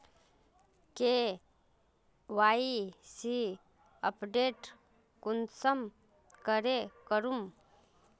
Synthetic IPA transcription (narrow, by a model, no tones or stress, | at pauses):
ke | ʋaːisi | əpɖeːʈ | kunsəm | kəɾekəɾum